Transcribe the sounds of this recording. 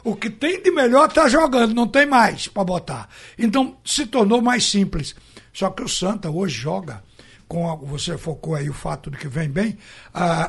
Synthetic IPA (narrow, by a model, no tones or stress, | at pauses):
ʊkɪt̪ẽj̃d̪ɪmeʎɔɾt̪aʒoɡɐ̃nd̪ʊnɐ̃w̃t̪ẽj̃majspɾɐbot̪aɾẽnt̪̬ɐ̃w̃sɪt̪oɾnomajssĩplɪssɔkɪʊsɐ̃nt̪ɐoʒɪʒɔɡɐ | kõɐvosefokoaiʊfat̪ʊd̪ɪkɪvẽj̃bẽj̃a